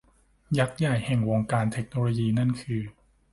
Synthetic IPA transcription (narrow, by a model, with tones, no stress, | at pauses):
ja˦˥k̚ja˨˩jhɛ˨˩ŋwoː˧ŋkaː˧nt̪ʰe˦˥k̚noː˧loː˧jiː˧na˥˩nkʰɯː˧